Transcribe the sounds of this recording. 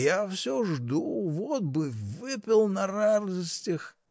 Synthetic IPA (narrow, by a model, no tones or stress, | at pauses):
jafsʲoʐd̪uvot̪̚bɨvɨpʲɪlˠnɐrad̪əsʲtʲɪx